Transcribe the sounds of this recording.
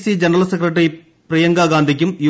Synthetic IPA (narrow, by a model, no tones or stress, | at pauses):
sid͡ʒɐnɐɾɐlɐsɛkɾɐʈ̬ːɐɾi | pɾijɐŋɡaːɡaːnd̪ʱik̬ʲːɯmju